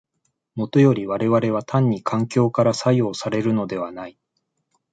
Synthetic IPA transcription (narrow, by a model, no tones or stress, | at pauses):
mo̞t̪o̞jo̞ɾʲiβaɾe̞βaɾe̞β̞at̪ʰãɲ̟ːikʰãŋkʲo̞ːkaɾasaijo̞ːsaɾe̞ɾɯ̟no̞d̪e̞βanai